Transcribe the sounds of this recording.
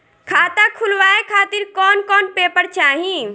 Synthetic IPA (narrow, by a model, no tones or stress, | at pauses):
kʰaːt̪akʰʊlwaːekʰaːt̪ɪɾkɔːnkɔːnpeːpəɾt͡ʃaːɦĩ